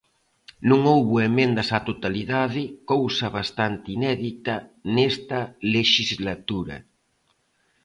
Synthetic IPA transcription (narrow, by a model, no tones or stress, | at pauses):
nũŋowβuemẽnd̪asat̪ot̪aliðaðɪkowsaβ̞ast̪ant̪inɛðit̪anest̪ɐleʃizlat̪uɾɐ̰